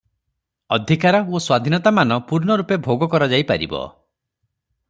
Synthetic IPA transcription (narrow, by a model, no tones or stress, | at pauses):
ɔd̪ʱikaɾɔoswad̪ʱinɔt̪amanɔpuɾnɔɾupebʱoɡɔkɔɾad͡ʒajpaɾḭbɔ̰